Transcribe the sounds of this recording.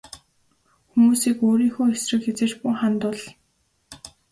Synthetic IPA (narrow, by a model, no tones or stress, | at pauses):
xumuːsiːkoːɾiːŋxuːesrɘ̆kxet͡sĕːt͡ɕpuχant̪ʊːɮ